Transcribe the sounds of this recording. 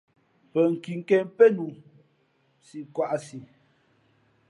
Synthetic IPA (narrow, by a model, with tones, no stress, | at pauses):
pə˨ŋ̩˨ki˨ŋ̩˦kɛ˨mpɛ˦nu˨ | si˨kwa˨ʔa˨si˨